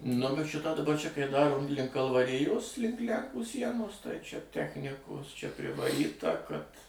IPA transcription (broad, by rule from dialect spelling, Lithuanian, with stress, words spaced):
nʊ bʲɛt ˈʃʲɪtɑː dɐˈbɐ ˈt͡ʃʲɛ kɐɪ ˈdɑːroː ˈlʲɪŋk kɐlˠʋɐˈrʲɪjoːs ˈlʲɪŋk ˈlʲæŋkuː ˈsʲiɛnoːs tɐɪ ˈt͡ʃʲɛ ˈtʲæːxʲnʲɪkoːs t͡ʃʲɛ pʲrʲɪʋɐˈrʲiːtɐ kɐt